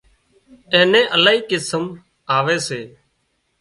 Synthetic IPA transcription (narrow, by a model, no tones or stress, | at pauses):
ẽːnẽːʔəlaːɦiːkɪsəm | aːʋeːseː